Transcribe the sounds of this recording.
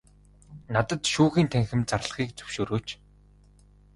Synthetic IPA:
nat̪ə̆t̪ʃuːxiːnt̪ʰæŋxɘ̆mt͡sar̆ɮ̆χiːk̚t͡sɵ̥wʃoːɾoːt͡ɕ

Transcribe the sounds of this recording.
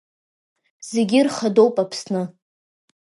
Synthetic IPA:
z̥eɡʲɪrχado̞wpʼapʰsnɨ

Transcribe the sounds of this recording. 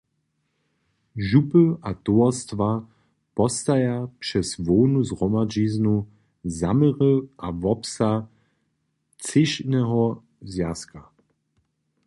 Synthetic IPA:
ʒupəʔat̪ɔɔst̪va | pɔst̪ajapʂɛsvɔːnuzʁɔmad͡ʒiznu | zamɛʁəʔavɔpsa | t͡sɪʃnɛɦɔ | zjaska

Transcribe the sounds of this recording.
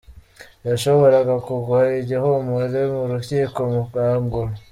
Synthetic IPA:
jaʃo̞βo̞ɾaɡakuɡuaiɟehomuzemuɾuciːko̞muɡaːŋɡo

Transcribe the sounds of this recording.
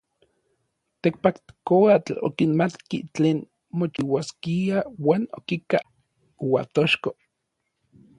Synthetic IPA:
t̪ek̚pakt̪koat͡ɬo̰kinmat̪kit͡ɬeːn | mot͡ʃiwaskiawaːno̰kika | uwat̪oʃko

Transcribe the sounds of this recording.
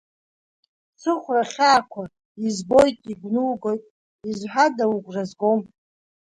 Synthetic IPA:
t͡sʰɨχʷraχʲaːkʷʰa | izbo̞jtʼiɡʷnulɡo̞jtʼ | izħʷadawuɡʷrazɡom

